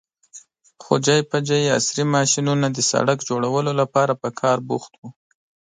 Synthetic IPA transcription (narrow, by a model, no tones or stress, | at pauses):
xo̰d͡ʒɑjpad͡ʒajea̰sɾimɑʃinunad̪əsa̰ɽakd͡ʒoɽawəlolapɑɾapəkʰɑɾbuxt̪wu